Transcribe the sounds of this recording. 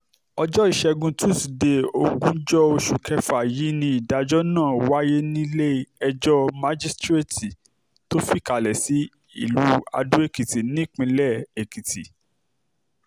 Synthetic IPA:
ɔ˧d͡ʒɔ˦i˦˨ʃɛ˧ɡũ˧tu˦˨si˨de˧˦o˧ɡũ˦d͡ʒɔ˦o˧ʃu˨kʰɛ˦fa˨ji˨˦nĩ˧i˨da˨d͡ʒɔ˦nãː˦˨wa˦je˦nĩ˦le˦ɛ˧d͡ʒɔ˦ma˦d͡ʒi˦stɾe˦˨ti˨ | to˦fi˦˨ka˨lɛ˨si˨˦ | ḭ˦˨lu˨˦a̰˧dũ˦e˦˨ki˨ti˨nĩ˦k͡pĩ˧lɛ˦˨e˨ki˨tḭ˨

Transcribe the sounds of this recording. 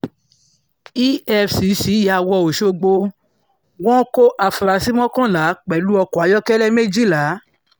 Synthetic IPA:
i˦ɛ˧fsi˨˦si˨˦ja˧wɔ˧˨o˨ʃo˧ɡ͡bo˧ | wɔ̃˦ko˦ʔa˨fɾa˨˧˦si˦mɔ̃˦kɔ̃˦˨la˨˦k͡pɛ˨lu˨˦ɔ˧kɔ˨a˨˦jɔ˦kɛ˦lɛ˦me˦d͡ʒi˦˨la˨˦

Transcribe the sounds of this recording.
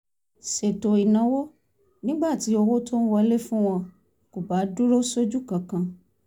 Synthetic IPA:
se˨to˨i˨nã˨˦wo˦ | nĩ˦ɡ͡ba˦˨ti˨˦o˧wo˦to˦n̩˦wɔ˧˦le˦fũ˦w̃ɔ̃˧ | ko˨ba˨˦du˦ɾo˦so˦d͡ʒu˦kã˨kã˨˧

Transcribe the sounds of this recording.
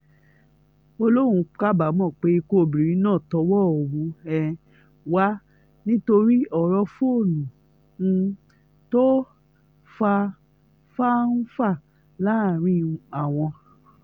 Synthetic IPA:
o˧lo˦˨ũ˧ka˦ba˨˦mɔ̃˦˨k͡pe˨˦i˧ko˦˨bi˨ɾĩ˨˦nãː˦˨tɔ˧˦wɔ˦˨o˨wũ˧˦ɛ˧ | wa˦ | nĩ˦to˧ɾi˦ɔ˨ɾɔ˧fo˦˨nũ˨˧ | to˦ | fa˧ | fa˦n̩˦fa˦˨ | la˦˨ɾ̃ĩ˦ũ˧a˦˨w̃ɔ̃˧

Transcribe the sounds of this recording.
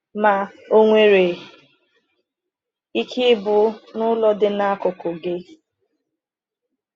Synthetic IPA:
ma˨o˦ŋʷe˦ɾe˨ | i˦kʰi˦bʊ˦nʊ˦lɔ˦dɪ˦na˦kʊ˨kʊ˨ɡe˦

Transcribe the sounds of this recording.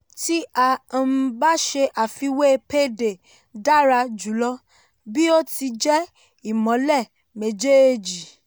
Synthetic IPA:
ti˦ã˨˧ba˦ʃe˧ʔa˨fi˧we˦˧pe˦˨de˨ | da˦˨ɾa˧d͡ʒu˨˦lɔ˦ | bi˦o˦ti˧d͡ʒɛ˦ | i˨mɔ̃˨˦lɛ˦˨ | mẽ˨d͡ʒe˦˨d͡ʒi˨

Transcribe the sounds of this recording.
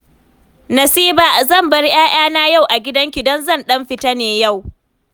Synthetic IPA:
nɐ˨siː˦baː˦˨zɐ˦˨mbɐ˦ɽj̰aː˦j̰aː˦naː˦ja˦˨wʔa˨ɡʲɪ˦dɐ˦ŋkʲɪ˨dɐ˦nzɐ˦˨nɗɐ˦mɸɪ˦ta˦neː˨ja˦˨w

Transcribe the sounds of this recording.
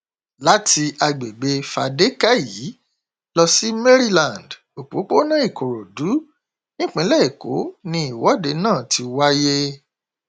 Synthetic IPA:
la˦ti˧a˧ɡ͡be˨ɡ͡be˧fa˧de˦ka˦ji˨˦ | lɔ˧si˦me˦ɾi˦lã˨nd | o˨k͡po̰˨˦k͡po˦nã˦i˦˨ko˨ɾo˨du˨˦ | nĩ˦k͡pĩ˨˦lɛ˦˨e˨ko̰˨˦nĩ˧i˨wɔ˨˦de˨˧˦nãː˦˨ti˧wa˦je˦

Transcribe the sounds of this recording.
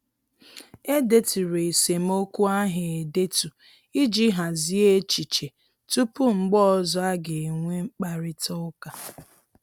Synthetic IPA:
e˦de˦tu˨ɾe˨e˨se˨m̩˦o˦ku˦a˦ɦɪ˨e˨de˦tu˨ | i˦d͡ʒi˦ɦa˨zi˦e˦t͡ʃi˨t͡ʃe˨ | tu˦pu˦ŋ͡m̩˨ɡ͡bɔ˦ɔ˦zɔ˦a˦ɡe˨ŋʷe˦ŋ͡m̩˦k͡pa˦ɾɪ˦tɔ˦ka˨

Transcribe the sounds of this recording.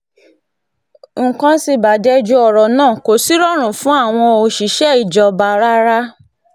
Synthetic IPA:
ŋ̩˨kã˧si˧ba˨˦dɛ˧˦d͡ʒu˧ɔ˨ɾɔ˨nãː˦˨ko˨˦si˦ɾɔ˦ɾ̃ũ˨fũ˦a˦˨w̃ɔ̃˧o˧ʃi˨˦ʃɛ˦i˨d͡ʒɔ˨ba˨ɾa˦ɾa˦

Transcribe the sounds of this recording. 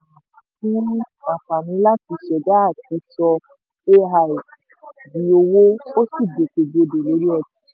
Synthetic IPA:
tĩ˦a˨fa˨mĩ˨˦la˦ti˧˦ʃɛ˨da˦a˦˨ti˨˧˦sɔ˧ | e˦ɦa˨i˨ | bi˨o˧wo˦o˦si˦˨be˨ke˨be˨˧˨do˨lo˨˦ɾi˦ɛ˦˧ti˨˦

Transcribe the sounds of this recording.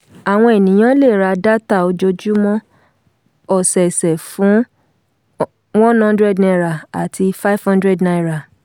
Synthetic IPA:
a˨w̃ɔ̃˧e˨nĩ˨j̃ã˦le˦˨ɾa˧da˦ta˦˨o˧d͡ʒo˧d͡ʒu˦mɔ̃˦ | ɔ˨sɛ˨sɛ˨fũ˨˦ | w̃ɔ̃˦nhɔ̃˦ndɾɛ˦˨dnɛ̃˧˨ɾa˨a˨tʰi˧fa˦i˦fhɔ̃˦ndɾɛ˦dna˧i˦˨ɾa˨

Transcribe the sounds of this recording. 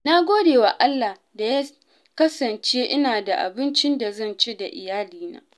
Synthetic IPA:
na˦ɡʷoː˦deː˨wa˨ʔa˦lːa˨h | da˨ja˦ | kɐ˦sɐ˨nt͡ʃeː˦ʔɪ˦naː˨da˨ʔa̰˨bɪ˦nt͡ʃɪ˦nda˨zɐ˦nt͡ʃeː˦da˨ʔɪ̰˨jaː˦liː˦na̰ː˦

